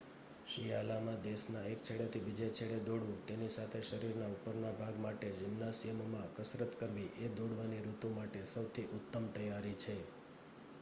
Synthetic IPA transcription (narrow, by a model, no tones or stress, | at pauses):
ʃijalamãd̪esnaek̚t͡ʃʰeɽat̪ʰibid͡ʒet͡ʃʰeɭed̪oɽʋũt̪enisat̪ʰeʃəɾiɾnaupəɾnabʱaɡmaʈed͡ʒɪmnasijəmmãkəsɾət̪kəɾʋĩʔed̪oɽʋaniɾut̪ũmaʈesəwt̪ʰiʔʊt̪ːəmt̪əjaɾit͡ʃʰe